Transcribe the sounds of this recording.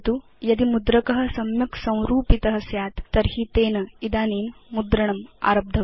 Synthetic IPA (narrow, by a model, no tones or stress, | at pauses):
t̪u | jɐd̪imud̪ɾɐkɐɦɐ̆sɐmjɐksɐ̃w̃ɾuːpit̪ɐɦɐ̆sjaːt̪ːɐɾhit̪eːnɐid̪aːneːnmud̪ɾɐɳɐma̰ːɾɐb̚d̪ʱɐ